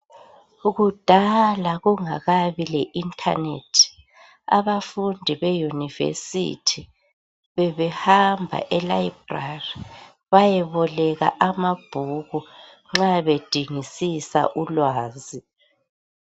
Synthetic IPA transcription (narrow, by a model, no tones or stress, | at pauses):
uɣud̥ʱalaɣuŋaɣaβilɛʔintʰʼa̰netʰi̥ | a̰βafundʱiβejunivḛsḭtʰi | βɛβɛhambʱa̰ʔɛlaibrari | βajɛβɔlɛɣa̰ʔamab̥ʱuɣu | ŋ͡ǁaβed̥ʱiŋisisa̰ʔulwaːzi